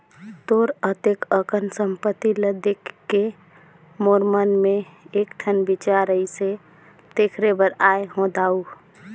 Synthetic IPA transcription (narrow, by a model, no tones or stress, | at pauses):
t̪oɾət̪ekəkənsəmpət̪ːiləd̪ekːe | moɾmənmeekʈʰənbit͡ʃaɾəise | d̪̥ekʰɾebəɾajɦõd̪au